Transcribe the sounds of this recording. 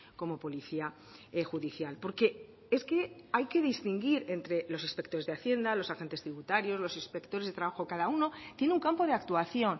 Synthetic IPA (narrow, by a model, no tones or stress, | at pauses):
ko̞mo̞po̞liθia | exuðiθjalpo̞ɾke̞ | eske̞ajke̞ðist̪iŋɡiɾe̞nt̪ɾe̞lo̞sinspe̞kt̪o̞ɾezðeaθje̞nd̪alo̞saxe̞nt̪e̞st̪ɾiβut̪aɾjo̞zlo̞sinspe̞kt̪o̞ɾezðet̪ɾaβaxo̞kaðauno̞t̪je̞neuŋkampo̞ð̞e̞akt̪uaθjo̞n